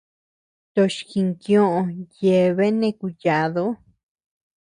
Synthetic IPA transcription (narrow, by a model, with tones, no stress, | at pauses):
t̪o˧ʃki˧˨ŋkj̃õ˦ʔõ˧je˨βe˦nẽ˦˧˦ku˧ja˨ðo˦